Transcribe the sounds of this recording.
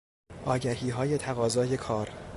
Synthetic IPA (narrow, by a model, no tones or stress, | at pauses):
ʔɒːɟæhiːɦɒːje̞t̪ʰæɣɒːzɒːje̞kʰɒːɾ